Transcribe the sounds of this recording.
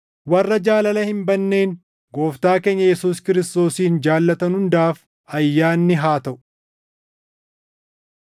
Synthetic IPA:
wɐrːɐd͡ʒaːlɐlɐhɪmbɐnːe̞ːn | ɡo̞ːft̪aːke̞ːɲːɐjɛsuːskɪɾɪst̪o̞ːsiːnd͡ʒaːlːɐt̪ɐnhʊnd̪aːf | ɐjːaːnːɪɦaːt̪ɐʔʊ̥

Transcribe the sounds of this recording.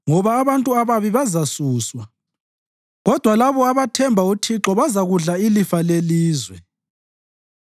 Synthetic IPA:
ŋɔβaːβantʼuaβaβiβazasuːswa | ɣɔd̥ʱwalaβɔaβatʰɛmbʱautʰiǁɔβazaɣuɮailifaleliːzwɛ

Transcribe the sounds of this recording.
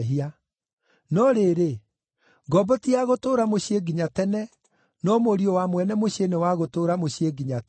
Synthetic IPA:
ɦia | nɔɾeɾe | ɡɔbɔtiaɣotoːɾamoɕeɡiɲatɛnɛ | nɔmoɾiowamwɛnɛmoɕenewaɣotoːɾamoɕieɡiɲa

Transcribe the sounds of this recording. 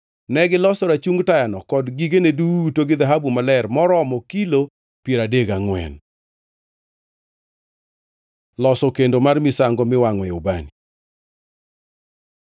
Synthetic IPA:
nɛɡɪlɔsɔɾat͡ʃuŋɡtajanɔkɔdɡiɡenedutoɡɪðaɦabumalɛrmɔɾɔmɔkilo | pieɾadeɡaŋwɛ̰n | lɔsɔkendomarmisaŋɡɔmɪwaŋwɛobani

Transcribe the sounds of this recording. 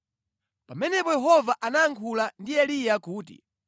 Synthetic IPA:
pamɛnɛpɔjɛɦɔvaʔanaːŋkʰulandiɛlijakuːtḭ

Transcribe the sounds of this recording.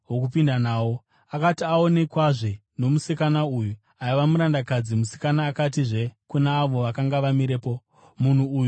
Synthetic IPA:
ɦokupindanaːwo̞ | akatiao̞ne̞kwaʐe | no̞musikanauju | aiʋamuɾandakad͡zimusi̥kanaːkatiʐe̞kunaːʋo̞ʋakaŋɡaʋamiɾeːpo̞ | mun̤uːju

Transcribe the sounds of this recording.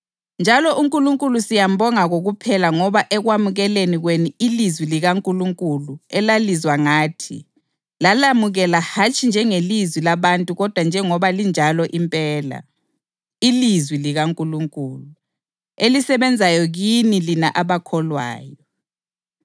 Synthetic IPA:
nd͡ʒʱalɔʔuŋkʼuluŋkʼulusijam̩bʱɔŋaɣoɣupʰɛlaŋɔβaʔɛɣwamuɣɛleniɣweniilizwiliɣaŋkʼuluŋkʼuluɛlalizwaŋaːtʰḭ | lalamuɣɛlahat͡ʃʼʰind͡ʒʱɛŋelizwilaβantʼuɣɔd̥ʱwand͡ʒʱɛŋɔβalind͡ʒʱalɔʔimpʼɛːla̰ | ilizwiliɣaŋkʼuluŋkʼuːlu | elisɛβɛnd͡zʱajɔɣinilinaʔaβakʰɔlwa̰ːjɔ

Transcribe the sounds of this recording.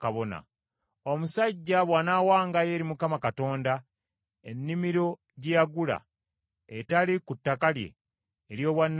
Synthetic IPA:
kaβona̰ | omusaɟːaβwaːnaːwaːŋɡaje̞ːɾimukamakato̞ːnda | enːimiɾo̞ | ɟejaɡula̰ | etalikutːakalje̞̰ː | ɾjo̞ːβwanː

